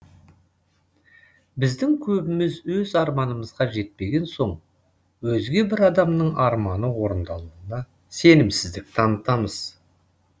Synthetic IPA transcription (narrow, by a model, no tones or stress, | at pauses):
bɪzd̪ɪŋkʲʰɵbɪmɪzwɵzɑɾmɑnəməzʁɑʒe̞t̪̚pe̞ɡʲe̞nso̞ɴ | wɵzɡʲe̞bɪɾɑd̪ɑmnəɴʔɑɾmɑnəwo̞ɾənd̪ɑlˠuənɑ | se̞nɪmsɪzd̪ɪk̚t̪ʰɑnət̪ɑməz̥